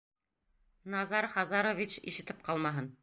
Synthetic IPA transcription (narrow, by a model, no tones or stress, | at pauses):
nɑzɑɾχɑzɑɾovʲit͡ɕḭʃɘ̆t̪ɘp̚qɑlˠmɑɦɤn